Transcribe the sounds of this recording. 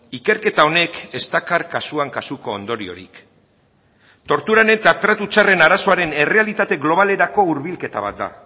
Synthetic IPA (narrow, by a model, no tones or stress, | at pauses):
ike̞ɾke̞t̪ao̞ne̞ke̞st̪akaɾkasuaŋkasuko̞ːnd̪o̞ɾio̞̰ɾḭk | t̪o̞ɾt̪uɾane̞t̪at̪ɾat̪ut͡sare̞naɾaso̞aɾe̞ne̞re̞alit̪at̪e̞ɣlo̞β̞ale̞ɾako̞uɾβilke̞t̪aβa̰t̪̚d̪a̰